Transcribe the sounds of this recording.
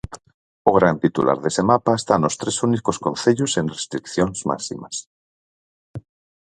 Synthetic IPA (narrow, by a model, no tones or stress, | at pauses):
oɣ̞ɾant̪it̪ulʔa̰ɾðesemapaest̪anost̪ɾesunikoskõnθeʎʊsenrest̪ɾikθjoŋzma̰sḭmɐs